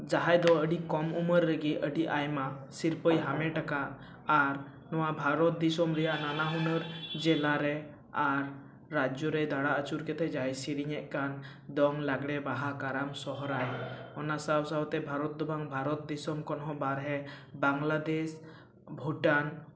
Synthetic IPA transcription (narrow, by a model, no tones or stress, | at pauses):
d͡ʒaɦajd̪ɔəɖikɔmuməɾːəɡiʔəɖiʔajmasiɾpəjɦamɛʈakaʔ | aɾ | nɔwabʱaɾɔt̪̚d̪isɔmɾɛjaʔnanaɦunəɾd͡ʒɛlaɾɛ | aɾː | ad͡ʒjɔɾɛjd̪ʱaɽaʔət͡ʃuɾkɛt̪ɛd͡ʒaɦjsiɾiɲɛʔ̚ˀkan | d̪ɔŋlaɡɽɛbaɦakaɾamsɔɦɔɾajɔnasawsawt̪ɛbʱaɾɔt̪̚d̪ɔbʱaŋbʱaɾɔt̪̚d̪isɔmkɔnɦɔ̃baɾɦɛ | baŋlad̪es | bʱuʈan